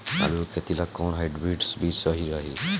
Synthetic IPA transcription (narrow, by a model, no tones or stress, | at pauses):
a̰ɹukʰet̪ilakːɔnɦajɖbiɖsbisɔɦiɾɔɦi